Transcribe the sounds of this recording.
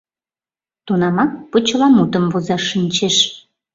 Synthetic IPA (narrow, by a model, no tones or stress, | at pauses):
t̪unɑmɑk̚pot͡ɕəlɑmut̪əmvozɑʃinʲt͡ɕeʃ